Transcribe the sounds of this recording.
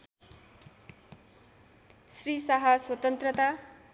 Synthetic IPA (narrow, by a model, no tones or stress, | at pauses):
srisaɦaswʌt̪ʌnt̪rʌt̪a